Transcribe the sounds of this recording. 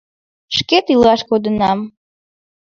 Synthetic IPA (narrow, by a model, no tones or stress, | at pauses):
ʂkʲʼet̪ilaʂkʷʼod̪ɨnam